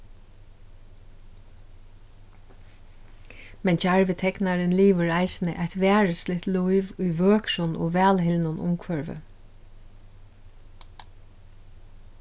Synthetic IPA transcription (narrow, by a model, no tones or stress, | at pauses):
mɛnt͡ʃaɹʋɪt̪ʰɛknaɾənliːʋəɹaɪsɪnə̰ʔaɪt̪ʋæːɹəslɪt̪luɪʋʊjʋøːkʃʊnʔo̰ːʋæːlhɪlnʊnʔʊ̰mkʰʋœɹʋə̰